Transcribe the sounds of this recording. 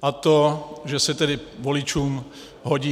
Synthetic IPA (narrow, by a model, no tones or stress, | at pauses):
ʔat̪oʒɛsɛt̪ɛdɪvolɪt͡ʃuːm | ɦoɟiː